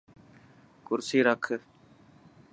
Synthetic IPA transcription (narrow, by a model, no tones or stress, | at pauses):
kʊɾsiːɾəkʰ